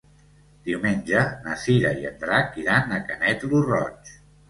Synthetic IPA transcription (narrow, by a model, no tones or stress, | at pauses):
d̪̥iwmenʲd͡ʒənəsiɾə̰iə̰nd̪ɾakiɾanəkənɛt̪lurɔ̰t͡ʃ